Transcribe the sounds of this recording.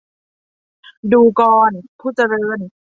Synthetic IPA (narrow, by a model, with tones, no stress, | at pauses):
duː˧kɔː˧npʰuː˥˩t͡ɕa˧ɾɤː˧˥˩n